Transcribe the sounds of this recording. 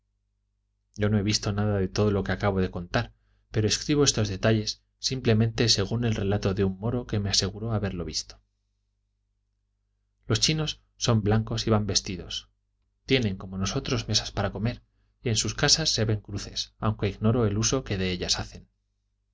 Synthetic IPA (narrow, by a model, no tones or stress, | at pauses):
ɟ͡ʝo̞no̞e̞β̞ist̪o̞naðaðe̞t̪o̞ð̞o̞lo̞keakaβ̞o̞ð̞e̞ko̞nt̪aɾ | pe̞ɾoe̞skɾiβoe̞st̪o̞zðe̞t̪aʎe̞sː | imple̞mẽ̞nt̪e̞se̞ɣ̞une̞lre̞lat̪o̞ðeumːo̞ɾo̞ke̞mease̞ɣ̞uɾo̞aβe̞ɾlo̞βist̪o | lo̞st͡ʃino̞sːo̞mblaŋko̞siβambe̞st̪iðo̞̰s | t̪je̞nẽ̞ŋko̞mo̞no̞so̞t̪ɾo̞zme̞sḁspaɾako̞me̞ɾ | ie̞nsuskasasːe̞βe̞ŋkɾuθe̞sawŋke̞iɣno̞ɾo̞e̞luso̞ke̞ðe̞eʎasaθe̞n